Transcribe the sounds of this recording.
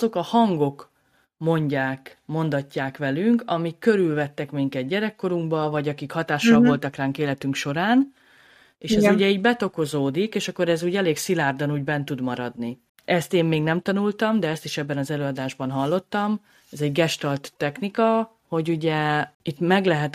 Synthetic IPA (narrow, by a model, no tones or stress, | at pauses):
zo̞kɒhɒŋɡo̞k | mo̞ɲɟaːkmo̞nd̪ɒcːaːkʋɛlyŋkɒmikːø̞ɾylvɛt̪ːɛkmiŋkɛd̪̚ɟɛɾɛkːo̞ɾuŋkbɒvɒɟɒkikhɒt̪aːʃɒlvo̞lt̪ɒkraːŋkeːlɛt̪yŋkʃo̞ɾaːn | eːʃɛzuɟɛiːɟbɛt̪o̞ko̞zoːd̪ikeːʃɒkːoɾɛzuːɟɛleːɡsilaːrd̪ɒnuːɟbɛnt̪ud̪mɒɾɒd̪ni | ʔɛst̪eːmːeːɡnɛmt̪ɒnult̪ɒmd̪ɛɛst̪iʃɛbːɛnɒzɛløːɒd̪aːʒbɒnɦɒlːo̞t̪ːɒm | ɛzɛɟɡɛʃt̪ɒlt̪ːɛknikɒ | ho̞ɟuɟɛit̪mɛɡlɛɦɛt̪